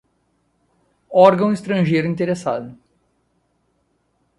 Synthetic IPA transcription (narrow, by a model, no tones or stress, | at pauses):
ɔɾɡɐ̃w̃ist̪ɾɐ̃ʒejɾʊĩnt̪eɾesa̰d̪ʊ